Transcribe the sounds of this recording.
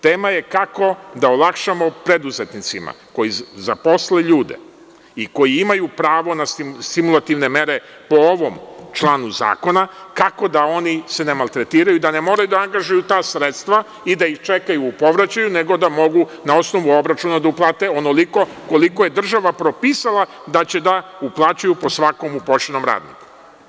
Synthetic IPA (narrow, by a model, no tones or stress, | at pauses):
t̪eːmaje̞kako̞d̪aolˠakʃamo̞pɾe̞d̪uze̞t̪nit̪sima̰ko̞jizapo̞sleʎuːd̪e̞̰ | iko̞jiimajupɾaːʋo̞nasst̪imulˠat̪iʋne̞meɾe̞ | po̞oʋo̞mt͡ʃlˠaːnuza̰ːko̞nakako̞d̪ao̞nise̞ne̞malˠt̪ɾe̞t̪iːɾajuid̪ane̞mo̞ːɾajud̪aaŋɡaʒujut̪aːsɾet̪st̪ʋa | id̪aixt͡ʃe̞kajuːpo̞ʋɾat͡ɕajune̞ɡo̞d̪amo̞ɡunao̞sno̞ʋuo̞bɾat͡ʃunad̪auplˠaːt̪e̞o̞no̞liko̞ko̞liko̞je̞d̪r̩ʒaʋapɾo̞piːsalˠad̪at͡ɕe̞d̪auplˠaːt͡ɕajupo̞sʋako̞mupoʃenomɾa̰ːd̪nḭku̥